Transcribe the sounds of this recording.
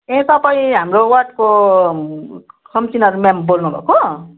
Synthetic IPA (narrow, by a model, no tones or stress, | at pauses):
ẽsʌbʌjɦamrowʌʈ̚ko | kʰʌmt͡sinʌɾumãmbolnubʱʌ̰ko